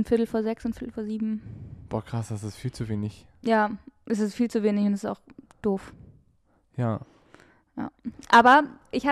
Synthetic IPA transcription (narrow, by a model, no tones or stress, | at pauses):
nfɪɐtl̩foːɐzɛksʊntfɪɐtl̩foːɐziːbm̩b̥ɔːkʁ̥asd̥asɪstfiːlt͡suveːnɪçjaːʔɛs̬ɪstfiːlt͡suveːnɪçʊntɛssta̰ʊxd̥oːf | jaː | ja̰ːʔaːbɐʔɪçhaː